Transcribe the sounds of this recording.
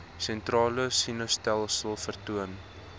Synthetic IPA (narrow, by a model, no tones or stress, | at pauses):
sɛntrɑːləsinostælˠsəlˠfərtuən